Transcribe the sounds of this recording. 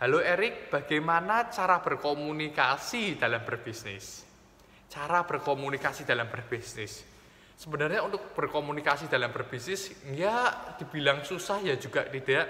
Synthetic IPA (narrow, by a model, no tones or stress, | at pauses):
ɦaloeɾɪk̚b̥aɡ̥ajmanat͡ʃaɾab̥ərkomunikasid̪̥alambərb̥isnɪ̰s | t͡ʃaɾab̥ərkomunikasid̥̪alambərb̥isnɪsː | əbənarɲaunt̪ʊk̚b̥ərkomunikasid̪̥a̤lambərb̥isnɪsŋad̪̥i̤b̥i̤laŋsusahjad͡ʒuɡ̥aʔt̪id̥aʔ